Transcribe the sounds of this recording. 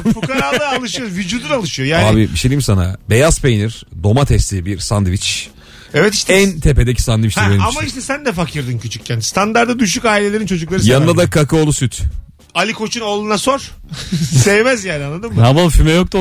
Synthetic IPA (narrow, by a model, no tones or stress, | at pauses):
fukaɾalˠalˠɯʃɯjovyd͡ʒuːd̪unalˠɯʃɯjo̞jaːnaːbibiʃejd̪ʲijimsana̰bejaspejniɾd̪o̞mat̪ʰɛst̪ʰibiɾsand̪ivit͡ʃ | ɛvɛt̪i̥ʃt̪ʰɛnt̪ʰepe̞d̪ecʰi̥sand̪ivit͡ʃt̪eamaiʃt̪ʰɛsænd̪ɛfacʰiɾd̪ɯncʰyt͡ʃʰy̥c̚cʰːɛnd̪ist̪ʰand̪aɾd̪ad̪yʃ̬ykaːilʲelʲe̞ɾint͡ʃʰo̞d͡ʒuklˠaɾɯjanɯnad̪akʰakʰɯolˠusyt̪ʰ | alʲikʰo̞t͡ʃʰunoːlˠunaso̞ɾ̥ | sejemæzjæːnianːˠad̪ɯmmhamafimɛjok̚t̪u